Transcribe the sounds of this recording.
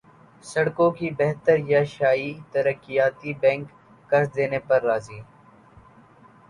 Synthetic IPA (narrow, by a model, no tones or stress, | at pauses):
sɐɽkõkibɛɦt̪əɾjaʃaːiːt̪əɾəkːijaːt̪ibɛ̃ːŋkː | əɾd̪eːneːpɐɾːaːziː